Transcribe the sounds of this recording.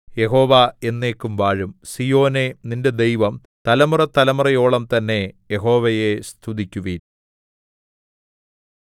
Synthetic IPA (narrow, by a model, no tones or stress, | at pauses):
je̞ɦo̞ːʋae̞nːe̞ːkːumʋaːɻumsijo̞ːne̞ninde̞d̪ejʋɐm | t̪ɐlɐmurɐt̪ɐlɐmurɐjo̞ːɭɐmt̪ɐnːe̞jeɦo̞ːʋɐje̞st̪ʰuðikʲːuʋil